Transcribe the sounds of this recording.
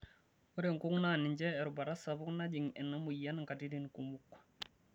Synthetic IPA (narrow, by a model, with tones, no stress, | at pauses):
u˦ɾe˨ŋku˦ŋnani˨ɲd͡ʒɛː˦˨ɾu˨ba˨ɾa˦sabu˦kna˦ɟi˨ŋɛ˨nːa˦mu˨ja˦nŋka˨di˦di˨nku˨mukː